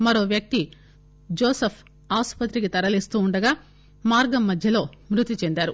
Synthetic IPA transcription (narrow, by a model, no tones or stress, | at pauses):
mɐɾo̞ːʋjɐk̚t̪i | d͡ʒoːsɐpʰ | aːspɐt̪ɾik̬it̪ɐɾɐliːst̪uːɳɖɐɡaː | maːɾɡɐmːɐd̪ʱjɐlo̞ːmɾut̪it͡ʃend̪aːɾu